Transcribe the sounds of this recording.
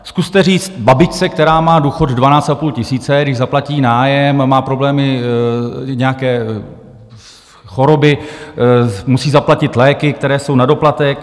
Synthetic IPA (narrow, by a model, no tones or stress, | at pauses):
skust̪ɛriːt͡st̪babɪt͡ʃt͡sɛk̚t̪ɛɾaːmaːduːxo̞d̪dvanaːt͡st̪apuːlcɪsiːt͡sɛdɪʒzaplaciːnaːjɛmːaːpɾo̞blɛːmɪ | ɲɛjakɛː | xo̞ɾo̞bɪ | musiːzaplacɪt̪lɛːkɪkt̪ɛɾɛːso̞wnado̞plat̪ɛk